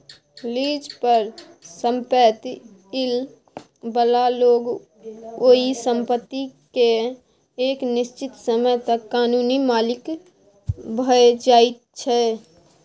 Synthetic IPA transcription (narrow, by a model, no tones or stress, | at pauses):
liːd͡ʒpəɾ | sə̃mpət̪ | ɪl | bəlaloːɡ | oɦisə̃mpət̪ːike | eːknɪst͡ʃɪt̪səməjt̪əkːaːnuːnimaːlɪk | bʱəed͡ʒaːit̪̚t͡ʃʰɛ